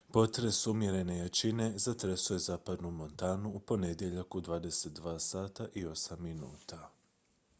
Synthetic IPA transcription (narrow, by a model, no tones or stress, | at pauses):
po̞t̪ɾe̞sumje̞ɾe̞ne̞jat͡ʃine̞zat̪ɾesuje̞zaːpad̪numo̞nt̪aːnuupo̞ne̞d̪je̞ʎakud̪ʋaːd̪e̞se̞t̪̚d̪ʋaːsaːt̪aʔio̞samːinṵːt̪a